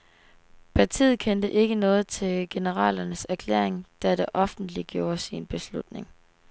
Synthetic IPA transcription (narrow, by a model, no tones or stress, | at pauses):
pʰɑt͡sʰḭːð̞̩ˠkʰend̥əʔe̝ɡ̥ənɔ̽ːð̞̩ˠt͡sʰe̝lɡ̥e̝nəʁɑ̰ːlɐnəsæɐkʰlḛɐ̰eŋd̥æɾ̥eʔɒ̽fn̩d̥liɡ̥jo̝ːɐsinb̥e̝slud̥ne̝ŋ